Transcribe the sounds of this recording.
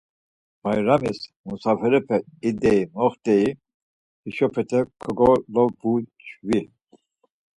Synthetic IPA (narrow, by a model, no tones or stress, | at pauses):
bajɾamismusafɛɾɛpʰɛid̪ɛimɔχt̪ɛi | hiʃɔpʰɛt̪ʰɛkʰɔɡɔlɔbut͡ʃʰvil